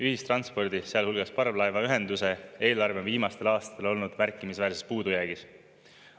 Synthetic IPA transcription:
yhist̪rɑnspo̞rd̪̥iseɑlhulɡ̥ɑspɑrblɑevɑyɦe̞nd̪use̞e̞ːlɑrveonviːmɑst̪e̞lɑːst̪ɑ̥t̪elo̞lnud̪̥mærkːˑimisvæːrsespuːd̪̥ujæːɡ̥is

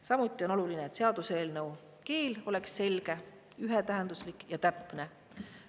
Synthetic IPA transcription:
sɑmut̪ːˑiono̞lulineeːt̪se̞ɑd̪̥use̞ːlnew | ke̞ːlo̞le̞ksːe̞lɡ̥e̞ | yɦet̪æɦend̪uslikːˑjɑt̪æpːˑne

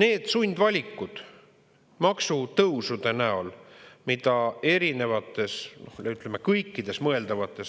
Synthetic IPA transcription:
ne̞ːd̪̥sunʲd̪vɑlʲikːˑud̪̥ | mɑksut̪ɤwsud̪̥e̞næo̞lmid̪̥ɑe̞ɾine̞vɑt̪ːˑe̞snoyt̪ːˑlemekɤjkˑːid̪̥e̞smɤe̞ld̪ɑvɑt̪ːˑe̞s

